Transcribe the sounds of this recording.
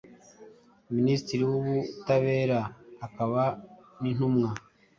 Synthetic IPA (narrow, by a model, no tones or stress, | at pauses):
ministiɾiwuβutaβe̞ːɾaːkaβanin̥umŋa